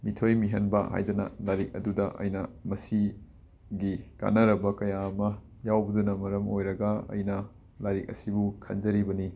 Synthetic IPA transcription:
mitʰojmiɦɐnbɐ̰ha̰jdɐnɐ̰lajɾik̚ɐ̰dudɐʔɐ̰jnɐmɐsi | ɡika̰nːɐɾɐbɐkɐjaːmɐ | jawbɐdunɐmɐɾɐmojɾɐɡɐɐ̰jnɐ | laɾik̚ɐ̰sibukʰɐ̰nd͡ʒɐɾibɐni

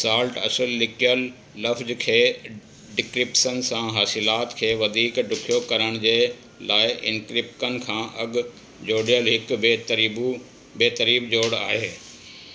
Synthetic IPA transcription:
saːlʈɐ̰səlːɪkijəlː | ɐfd͡ʑkʰeː | ɖɪkɾɪpsənsãːɦaːsɪlaːt̪kʰeːʋɐd̪ʱiːkɖʊkʰijokɐɾəɽ̃d͡ʑeː | laːɪʔɪ̰̃nkɾɪpkənɪ̆kʰãːʔɐɡʊ | d͡ʑoːɽijəlɦɪkt̪ɾibu | beːt̪əɾiːbd͡ʑoːɽa̰ːɦeː

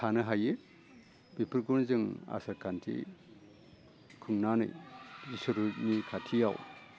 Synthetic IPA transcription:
tʰanɯɦaje | bipʰiɾɡunzɯŋa̰saɾkʰantʰḭ | kʰɯŋnanɯ̰jzisɯɾunikʰatʰijaw

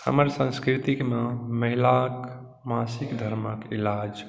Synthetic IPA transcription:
hə̰məɾsə̃nskɾit̪ikmãməɦilak | masikd̪ʱəɾməkḭlad͡ʒ

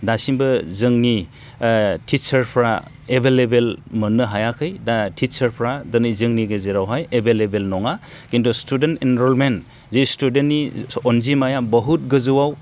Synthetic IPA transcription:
dasimbɯzɯŋni | tʰit͡ʃɐɾpʰɾa̰ | ebʱelebelmɯnːɯɦajakʰɯjdatʰit͡ʃɐɾpʰɾadɐnijzɯŋniɡɯzeɾawɦajebelebelnɔŋa | kintustudentinɾɔlmen | zistudenːiɔnzimajabɔɦut̚ɡɯzɯwaw

